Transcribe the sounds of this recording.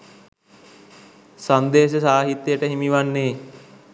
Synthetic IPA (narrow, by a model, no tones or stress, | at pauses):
sand̪eːsəsaːɦit̪jəʈəɦimiʋanːeː